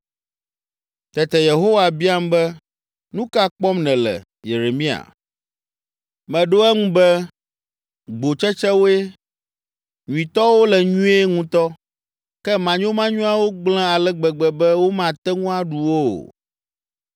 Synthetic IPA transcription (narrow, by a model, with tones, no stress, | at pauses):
t̪ɛ˨t̪ɛ˨je˨ɦo˦wa˨bi˦a˦m˦bɛ˦ | nũ˦ka˦k͡pɔ˦mnɛ̃˨lɛ̰˨ | je˨ɾe˨mĩ˦a̰˨ | mɛ̃˨ɖo˦ɛ˦ŋũ˦bɛ˦ | ɡ͡bo˨t͡ʃɛ˦t͡ʃɛ˦wo˦e˦ | ɲũ˨i˨t̪ɔ˦wo˦lɛ˨ɲũ˦e˦ŋũ˦t̪ɔ˦ | kɛ˦mã˨ɲõ˦mã˦ɲũ˦a˦wo˦ɡ͡blɛ̃˦a˨lɛ˦ɡ͡bɛ˨ɡ͡bɛ˨bɛ˦wo˦mã˨t̪ɛ˦ŋũ˦a˦ɖu˨wo˦o̰˨